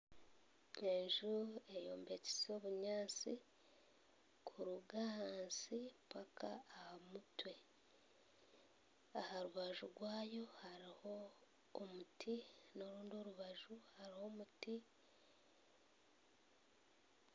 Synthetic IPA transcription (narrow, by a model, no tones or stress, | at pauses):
e̞ɲʒue̞jo̞̰ːmbe̞ci̥so̞ːβuɲaːnt͡sḭ | kʰuɾuɡahaːnsipakʰa̰ːhamutwe̞ | ahaɾuβaʒuɾɡwaːjo̞haɾiho̞ː | mutʰino̞ɾuːndio̞ɾuβaʒuhaɾiho̞ːmuti